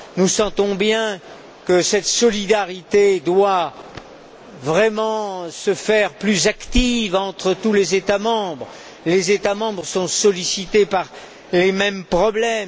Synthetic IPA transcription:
nusɑ̃t̪ɔ̃bjɛ̃ | kəsɛt̪sɔlid̪aʁit̪ed̪wa | vʁɛmɑ̃səfɛʁplyzakt̪ivɑ̃t̪χət̪ulezet̪amɑ̃bʁ | lezet̪amɑ̃bʁəsɔ̃sɔlisit̪epaʁ | lemɛmpχɔblɛm

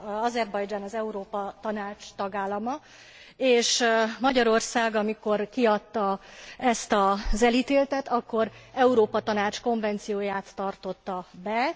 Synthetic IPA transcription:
ɒzɛrbɒjd͡ʒaːnɒzɛuɾoːpɒt̪ɒnaːt͡ʃt̪ɒɡaːlːɒmɒ | eːʃmɒɟɒɾo̞rsaːɡɒmiko̞rkiɒt̪ːɒɛst̪ɒzɛliːt̪eːlt̪ɛt̪ɒkːo̞ɾɛuɾoːpɒt̪ɒnaːt͡ʃko̞ɱvɛnt̪sijoːjaːt̪ːɒrt̪o̞t̪ːɒbɛ

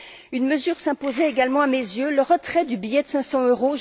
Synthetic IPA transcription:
ynməzyʁsɛ̃pozɛeɡalmɑ̃amezjøləʁət̪χɛd̪ybijɛd̪əsɛ̃sɑ̃øʁoʒ

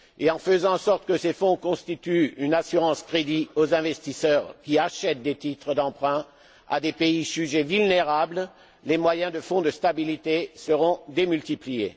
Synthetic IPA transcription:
eɑ̃fəzɑ̃sɔʁt̪kəsefɔ̃kɔ̃st̪it̪yynasyʁɑ̃skχed̪iozɛ̃vɛst̪isœʁkʲiaʃɛt̪̚d̪et̪it̪χəd̪ɑ̃pχɛ̃ | a̰d̪epeiʒyʒevylneʁabl | lemwajɛ̃d̪əfɔ̃d̪əst̪abilit̪esəʁɔ̃d̪emylt̪iplijḛ

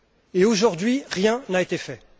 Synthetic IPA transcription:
eoʒuʁd̪ɥiʁjɛ̃naet̪efɛ

